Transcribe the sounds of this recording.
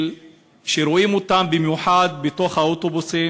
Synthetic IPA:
l | ʃeɾoʔimot̪ambimjuħad̪̚bet̪o̞χhaot̪obusi

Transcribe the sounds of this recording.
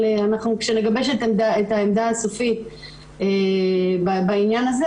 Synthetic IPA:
eanaχnukʃe̞ne̞ɡabe̞ʃet̪emd̪aet̪aemd̪aːsofit̪ | ebabainjanaze

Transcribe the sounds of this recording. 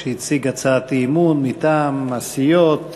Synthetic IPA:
ʃit͡siɡat͡saːt̪imunmit̪aːmasijot̪

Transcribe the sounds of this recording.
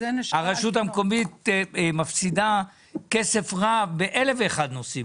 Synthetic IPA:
eneaʁaʃut̬hamko̞mit̪mafsid̪a | ke̞se̞fʁabeʔele̞veːχad̪nosi

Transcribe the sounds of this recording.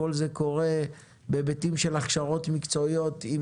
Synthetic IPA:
o̞lze̞ko̞ʁe̞ | bebetimʃe̞laχʃaʁo̞tmikt͡so̞ijo̞tim

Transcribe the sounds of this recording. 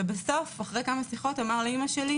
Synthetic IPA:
ebeso̞faχʁejkamasiχo̞tamaʁlaimaʃeli

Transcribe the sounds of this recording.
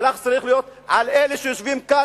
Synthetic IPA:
laχt͡saʁiχlijo̞t̪ʕaleleʃejoʃvimka

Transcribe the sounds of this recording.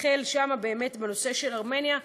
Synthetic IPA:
χelʃamabe̞ːme̞tbeno̞se̞ʃe̞laʁme̞nja

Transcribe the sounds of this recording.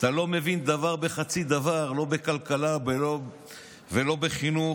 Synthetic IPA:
t̪alo̞me̞vind̪avaʁbeχat͡sid̪avaʁlo̞be̞kalkalabelo | velo̞beχinu

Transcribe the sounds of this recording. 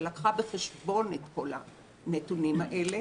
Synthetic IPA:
lakχabeχeʃbo̞netko̞la̰ | netunimaʔe̞le

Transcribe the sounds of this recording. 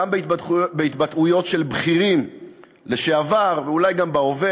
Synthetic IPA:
ambebeit̪bat̪ujo̞tʃe̞lbχiʁim | le̞ʃeavaʁveulajɡambao̞ve

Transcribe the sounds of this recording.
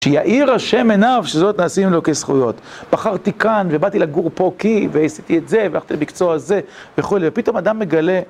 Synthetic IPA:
ʃejaʔiʁaʃe̞menavʃezo̞t̪naːsimlo̞kesχṵjo̞t̪b̥aχaʁt̪ikanve̞bat̪ilaɡuʁpo̞kiveisit̪iet̪ze̞veaχt̪imikt͡soaze̞ | veχulivepit̪o̞mad̪amːe̞ɡale̞

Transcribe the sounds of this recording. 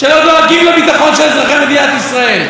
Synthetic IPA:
ʃelodoaɡimlebit̪aχo̞nʃelezʁaχemed̪iat̪isʁael

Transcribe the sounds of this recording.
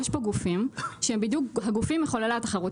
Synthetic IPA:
jɛʃpo̞ɡufimʃembid̪jukɦaɡufimjeχolalat̪aχaʁut

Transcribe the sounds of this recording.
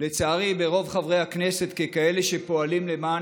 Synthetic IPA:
le̞t͡saːʁibe̞ʁo̞vχavʁe̞jhakne̞se̞t̪kekae̞le̞ʃe̞po̞alimle̞maː

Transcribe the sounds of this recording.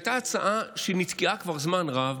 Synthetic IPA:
jt̪aːt͡saʔaʃenit͡skiʔakvaʁzmanʁav

